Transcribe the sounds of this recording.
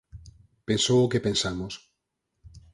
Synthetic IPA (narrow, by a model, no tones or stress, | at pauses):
pẽnsowʊkepẽnsamos